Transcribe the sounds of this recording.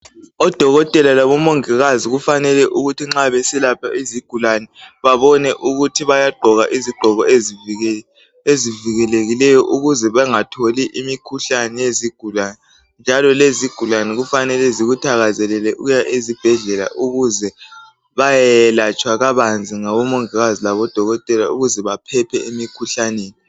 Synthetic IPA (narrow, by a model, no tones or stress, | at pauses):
ɔd̥ʱɔɣɔtʼɛlalaβɔmoŋɛɣaziɣufanɛlɛʔuɣutʰiŋ͡ǁaβesilapʰaʔiziɡ̥ʱulanɛβaβɔnɛʔuɣutʰiβajaɡ͡ǃʱɔɣaʔiziɡ͡ǃʱɔɣɔe | eziviɣɛleɣilɛjɔʔuɣuzɛβɛŋatʰoliʔimikʰuɬanɛjeziɡ̥ʱulanɛ | nd͡ʒʱalɔleziɡ̥ʱulanɛɣufanɛlɛziɣutʰaɣazɛlɛlɛʔuɣujaʔezib̥ʱɛɮɛla̰ʔuɣuzɛ | βajɛlat͡ʃʼwaɣaβand͡zʱiŋaβɔmɔŋiɣazilaβɔd̥ʱɔɣɔtʼɛlauɣuzɛβapʰɛpʰɛemikʰuɬaneːni